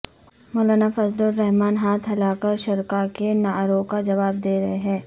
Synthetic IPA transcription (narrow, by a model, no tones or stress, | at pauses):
mɔːlaːnafɐzlʊɾːɛɦmaːnɦaːt̪ʰɦɐlaːkəɾʃɐɾkakenaːɾoːkad͡ʒɐʋaːb̚d̪eːɾɐeɦɛ̃ː